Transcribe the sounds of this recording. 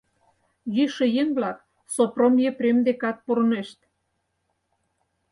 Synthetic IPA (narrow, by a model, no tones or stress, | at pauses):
jyʃĕjeŋblɑk | sopromjepɾʲemd̪ekɑt̪̚puɾneʃt̪